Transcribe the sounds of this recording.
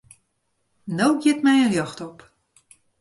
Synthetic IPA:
nowɡjɪtmɛjəjɔxtɔp

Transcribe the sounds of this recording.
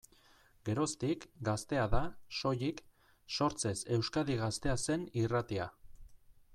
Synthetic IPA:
ɡe̞ɾo̞st̪ikɡast̪e̞aðaʃo̞jik | so̞ɾt͡se̞se̞wskaðiɣ̞ast̪e̞ase̞nirat̪ia̰

